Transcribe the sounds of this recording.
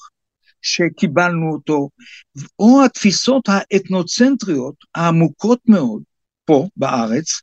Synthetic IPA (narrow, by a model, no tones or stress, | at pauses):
ʃe̞kibalnuot̪o̞ | ohat̪fiso̞thaʔet̪no̞t͡sent̪ʁio̞t̪ | haːmuko̞t̪me̞o̞d̪ | po̞baʔaʁet͡s